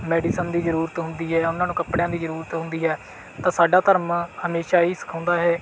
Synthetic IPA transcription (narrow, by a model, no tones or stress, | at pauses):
mɛːɖiːsənd̪iːzəɾuːɾət̪ɦʊnd̪iːɦɛːʊnːãːnũːkəpɽejãːd̪iːzəɾuːɾət̪ɦʊnd̪iːɦɛː | t̪ãːsaːɖaːt̪əɾmhəmeːʃaːiːsə̥kʰãːnd̪aːɦɛː